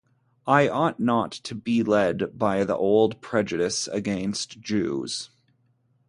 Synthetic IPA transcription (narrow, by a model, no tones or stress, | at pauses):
aɪʔɔtⁿnətʰɨbilɛdbaɪðḭʔoʊlˠd̚pʰɹ̥ɛd͡ʒɨɾɨsɨ̰ɡɛ̃nstd̥ʒ̥ʉ̰z̥